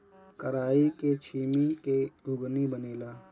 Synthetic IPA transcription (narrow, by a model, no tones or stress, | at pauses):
kəɾaːiket͡ʃʰiːmiked̪ʱʊɡnibəneːlaː